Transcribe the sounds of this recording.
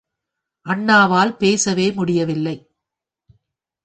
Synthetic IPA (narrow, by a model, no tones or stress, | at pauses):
ʔɐɳːaːʋaːlpeːsɐʋeːmʊɽɪjɐʋɪlːɐɪ